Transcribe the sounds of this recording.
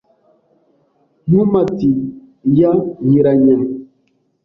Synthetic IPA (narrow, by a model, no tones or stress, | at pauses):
nũmati | jajiɾaɲɛŋ